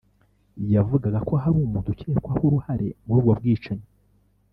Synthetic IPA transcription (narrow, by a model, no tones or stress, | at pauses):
javuɡaɡako̞ɦaɾumuːntuceɾekwahuɾuhaɾe̞̰muɾuːɡob̚ɡiːt͡ʃaɲe